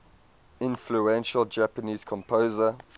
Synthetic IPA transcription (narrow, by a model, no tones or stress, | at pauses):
ɪ̃nfluɛ̃nʃəld͡ʒæpəniːz̥kʰɔ̃mpʰoːzə